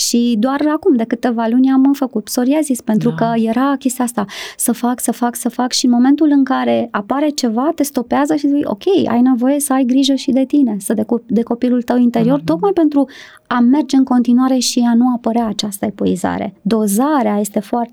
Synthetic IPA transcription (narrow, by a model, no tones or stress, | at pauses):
ʃid̪oarakumd̪e̞kɨt̪e̞valunʲamfəkut̪so̞ɾiazispe̞nt̪ɾukəje̞ɾakʲe̞st̪iɛast̪asəfaksəfaksəfakʃinmo̞me̞nt̪ulɨŋkaɾe̞apaɾe̞t͡ʃe̞vat̪e̞st̪o̞peazəʃizjʔo̞̰kʲe̞ja̰jne̞vo̞je̞səajɡɾiʒəʃid̪e̞t̪ine̞səd̪ed̪e̞ko̞pilult̪əwint̪e̞ɾio̞rt̪o̞k̪majpe̞nt̪ɾu | ame̞rd͡ʒe̞ɨŋko̞nt̪inuaɾeʃianuapəɾeaːt͡ʃast̪əepo̞iza̰ɾe̞̰d̪o̞zaɾeaje̞st̪e̞foart̪